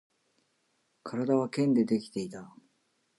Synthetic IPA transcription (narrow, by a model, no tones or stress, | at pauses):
kʰaɾad̪aβ̞akẽ̞nd̪e̞d̪e̞kʲi̥t̪e̞it̪a